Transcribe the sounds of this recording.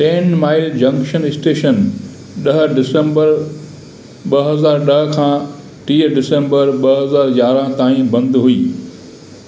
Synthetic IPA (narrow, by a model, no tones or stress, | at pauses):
ʈeːnmaːɪld͡ʑɐ̃ŋkʃənɪsʈeːʃən | ɗɐɦ̆ɖɪsə̃mbəɾ | ɓɐɦɐzaːɾɗɐɦ̆kʰãː | ʈiːɖɪsẽmbəɾɓɐɦɐzaːɾɡaːɾãt̪aːĩbɐ̃nd̪ɦuiː